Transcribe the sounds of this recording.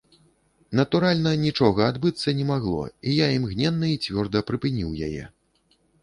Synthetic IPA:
nɐt̪uɾalʲnɐnʲit͡ʂɔɣɐad̪bɨt̪sːɐnʲɛmaɣlˠɔ̰ijaimɣnʲɛnːɐit͡sʲvʲɔrd̪ɐpɾɨpɨnʲiwja̰jɛ̰

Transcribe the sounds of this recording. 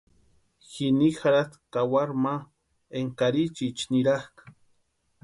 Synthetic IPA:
xinixaɾat̪kawaɾma | eŋkaɾit͡ʃit͡ʃniɾahkḁ

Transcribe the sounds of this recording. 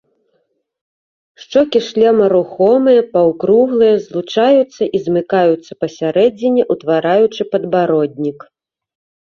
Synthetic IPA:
ʂt͡ʂɔkʲiʂlʲɛmɐɾuxɔmɨjɐpawkɾuɣlˠɨjɐzlˠut͡ʂajut̪sːɐʔizmɨkajut̪sːɐ̥pɐsʲaɾɛd͡zʲinʲɛʔut̪vaɾajut͡ʂɨpɐd̪baɾɔd̪ʲnʲik

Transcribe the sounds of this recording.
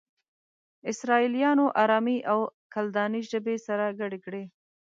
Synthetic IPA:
ɪsɾɑilijɑnoʔaɾɑmiʔawkald̪ɑniʒabesaɾaɡaɽekɽe

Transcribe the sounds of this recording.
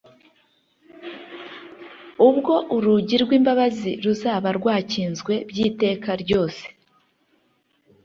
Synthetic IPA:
ubɡo̞ʔuɾuɟiɾɡwiːmbaβaziɾuzaːβaɾɡwaːciːnzɡwe̞bjiːte̞ːkaɾɟo̞ːse̥

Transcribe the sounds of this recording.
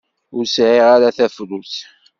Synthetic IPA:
ʊɾsʕiʁaɾaθæfluθ

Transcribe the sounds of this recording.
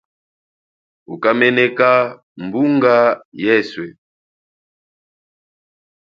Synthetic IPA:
ukamɛnɛka | mbuŋɡajɛswɛ

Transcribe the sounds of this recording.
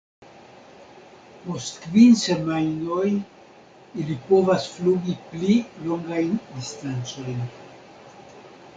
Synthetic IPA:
po̞stkvinse̞majno̞j | ilipo̞vasfluɡiplilo̞ŋɡajndistant͡so̞jn

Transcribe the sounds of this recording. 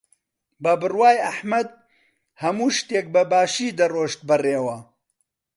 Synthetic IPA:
bɐbɨrwaːjɐħmɐd̪̚ | hɐmuːʃt̪eːk̚bɐbaːʃiːd̪ɐroːʃt̪̚bɨreːwɐ

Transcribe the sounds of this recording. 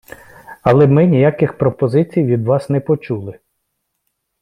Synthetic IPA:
ɐlˠɛmɪnʲijakɪxpɾɔpɔzɪt͡sʲijʋʲid̪ʋɑsnɛpɔt͡ʃulˠɪ

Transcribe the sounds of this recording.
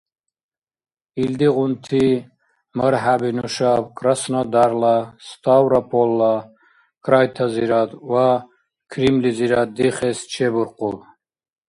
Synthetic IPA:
ild̪iʁunt̪ʰi | məɾɦabinuʃabkʰʼɾasnad̪aɾlast̪ʰawɾapʰɔlːa | kʰʼɾajt̪ʰaziɾad̪wa | kʰɾimliziɾad̪̚d̪iχɛst͡ʃʰɛbuɾqʼɔl

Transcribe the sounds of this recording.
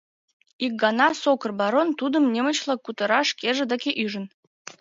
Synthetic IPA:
ik̚ɡɑnɑsokə̆rbɑɾont̪ud̪əmnʲemə̆t͡ɕlˠɑkːut̪ə̆ɾɑʃkeʒĕd̪əkʲeʔyʒə̆n

